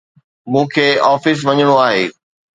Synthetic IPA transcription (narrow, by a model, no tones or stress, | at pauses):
mũːkʰeːɔːfɪs̬ʋɐɲəɽ̃oaːɦeː